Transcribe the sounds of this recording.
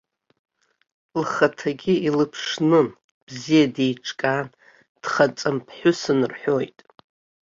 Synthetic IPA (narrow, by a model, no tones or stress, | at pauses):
lχatʰaɡʲiilɨpʰʂnɨn | b̥zijadejʈ͡ʂʰʼkʼan | d̥χat͡sʼɨmpʰħʷʊsɨnɨrħʷᶣojtʼ